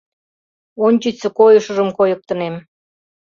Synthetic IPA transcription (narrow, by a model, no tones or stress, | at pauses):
onʲt͡ɕət͡sə̆kojəʃə̆ʒəmkojə̆k̚t̪ə̆nem